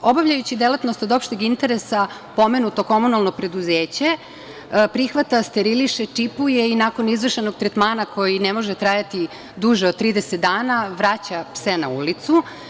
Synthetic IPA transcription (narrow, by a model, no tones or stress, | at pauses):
o̞baʋʎajut͡ɕid̪elat̪no̞st̪od̪o̞pʃt̪iɡint̪e̞ɾesa | po̞me̞nut̪o̞ko̞munalˠno̞pɾe̞d̪uzeːt͡ɕe̞ | pɾixʋat̪ast̪eɾiliʃet͡ʂipujeinaːko̞nizʋr̩ʃeno̞ɡ̚t̪ɾet̪maːnakʰo̞jinemo̞ʒet̪ɾajat̪i | d̪uʒeod̪̚t̪ːɾiːd̪eset̪̚d̪aːnaʋɾat͡ɕapsenaulit̪su